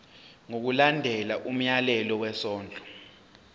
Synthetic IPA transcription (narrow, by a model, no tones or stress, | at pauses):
ŋok̬ulandʱɛlaʔum̩jalɛlɔwɛsɔːnd͡ɮʱɔ̥